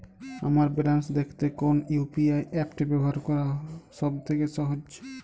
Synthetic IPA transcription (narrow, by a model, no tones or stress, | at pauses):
a̰maɾbɛlansd̪ekʰt̪ekonjupiajɛpʈibɛbɔɦaɾkɔɾaʃɔbt̪ʰekesɔɦod͡ʒ